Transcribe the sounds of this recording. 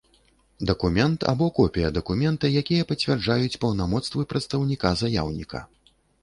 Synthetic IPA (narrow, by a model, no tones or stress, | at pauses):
d̪ɐkumʲɛnt̪ʰa̰bɔkɔpʲijɐd̪ɐkumʲɛnt̪ɨjakʲijɐpɐt͡sʲvʲɛrd͡ʐajut͡sʲpɐwnamɔt̪st̪vɨpɾɐt̪st̪ɐwnʲikazajawnʲikʰɐ̰